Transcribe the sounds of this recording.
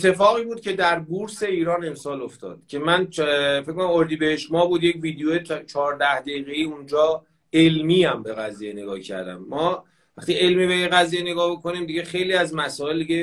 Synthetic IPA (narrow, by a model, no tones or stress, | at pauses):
et̪ʰːe̞fɒːɣiːbuːd̪̥̚cʰe̞d̪æɾbuɾse̞iːɾɒːne̞msɒːloft̪ɒ̰ːd̪̥cʰe̞mænfekonamoɾd̪iːbeheʃmɒːbuːd̪jecviːd̪ejojet͡ʃʰɒːɾd̪æhd̪eiɣeiːund͡ʒɒː | elmiːæmbe̞ɣæzijene̞ɡɒːcʰæ̰ɾd̪æ̰mːɒː | æχt̪iːe̞lmibejeɣæziːjene̞ɡɒːhbokʰoniːmd̪iɟe̞xe̞jliːæzmæsɒːe̞ld̪iɟe̞